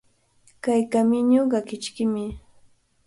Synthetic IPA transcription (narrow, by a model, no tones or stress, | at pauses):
kajkamɪɲoɢɑkɪt͡ʃkɪmɪ